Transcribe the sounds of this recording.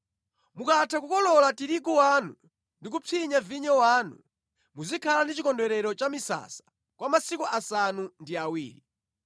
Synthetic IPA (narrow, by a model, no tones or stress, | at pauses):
mukatʰakukɔlɔlatiɾikuwanṵ | ndik̬upʰiɲaviɲɔwaːnu | muzikʰalandit͡ʃikɔndɛɾɛɾɔt͡ʃamisa̰sḁ | kwamasikuʔasanundiawḭːɾi